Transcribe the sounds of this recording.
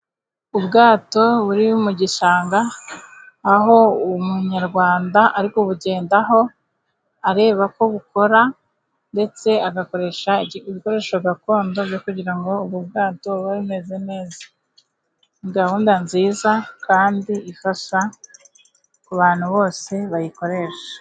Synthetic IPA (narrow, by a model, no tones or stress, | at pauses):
ubɡaːto̞βuɾimuɟiʃaːŋɡaː | ɦo̞umuɲaɾɡwaːndaʔaɾikoβuɟe̞ːndaɦo̞ | aɾe̞ːβako̞βuko̞ɾa | nde̞t͡se̞aɡako̞ɾe̞ʃaiβiko̞ɾe̞ːʃoɡako̞ːndo̞bɟokuɟiɾaŋɡo̞ːβubɡaːto̞βaɾine̞zene̞ːzḁ | ŋɡahuːndanziːzakaːndiifaʃa | kuβaːn̥huβo̞ːse̞βajiko̞ɾe̞ʃḁ